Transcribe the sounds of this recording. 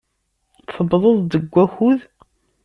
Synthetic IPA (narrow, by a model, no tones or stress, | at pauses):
θəbðˤoðˤd̪əɡʷːæxuð